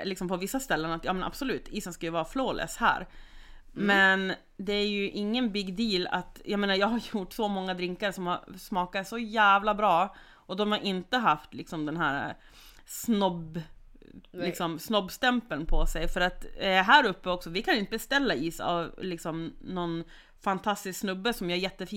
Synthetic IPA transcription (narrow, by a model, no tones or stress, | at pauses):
lɪksɔmpʰɔvɪsːast̪ɛlːənat̪jɑːmɛnʔa̰b̥sɔlʉ̟ːt̪ʰiːsənskajɵvɑːɾafloːlʔɛ̰ːshæ̰ːɾ | mɛn | d̪ɛæɾjɵʔɪŋːənbɪɡd̪iːla̰t̪jameːnaɾjɑːɡhaɾjjʊʈːsɔmɔŋːad̪ɾɪŋkaɾʂɔmhaɾsmɑːkat̪sɔjæːvlabɾɑː | ʔɔd̪ɔmhaɾʔɪnt̪əɦaft̪lɪksɔmd̪ɛnɦæːɾa̰ | snɔb | lɪksɔmsnɔbːst̪ɛmpəlnpʰɔsɛjfœɾat̪ɦæːɾɵpːəɔksɔvɪkʰanɪnt̪əbɛst̪ɛlːaiːsa̰vlɪksɔmnɔn | fant̪ʰast̪ɪsksnɵbːəsɔmjaːæɾjɛt̪ːəfiː